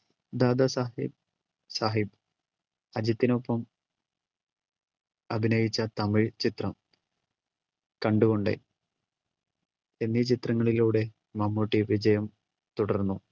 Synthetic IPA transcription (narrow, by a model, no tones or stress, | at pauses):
d̪aːd̪ɐsaib̚ | saːɦib | ɐd͡ʑɐt̪ːino̞pːɐm | ɐbʱinɐjit͡ɕːɐt̪ɐmiɭt͡ɕit̪rɐm | kɐɳɖuɣo̞ɳɖḛ | enːit͡ɕit̪rɐŋːɐɭiluːɽe̞ | mɐmːuʈːiʋid͡ʑɐjɐm | t̪uɽɐrnːu